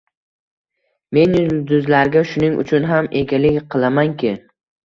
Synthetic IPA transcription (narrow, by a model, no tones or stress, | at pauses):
me̞nd̪ʊzlaɾɡʲaʃʊnɪŋʊ̰t͡ʃʰʊnɦamʔe̞ɡʲalɪkʲqʰɨlˠamaŋkʲʰɪ